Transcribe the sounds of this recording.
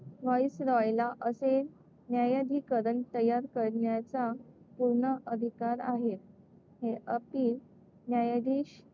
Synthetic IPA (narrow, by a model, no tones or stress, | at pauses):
ʋɔisɾɔjlaʔəse | njajad̪ʱiːkəɾəɳt̪əjaɾkəɾɳjat͡sapuɾɳəʔəd̪ʱikaɾaɦet̪̚ | heʔəpiːl | njajad̪ʱiːɕ